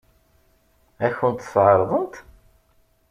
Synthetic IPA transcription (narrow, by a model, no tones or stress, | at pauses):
æçənt̪θʕəɾˤðˤənt̪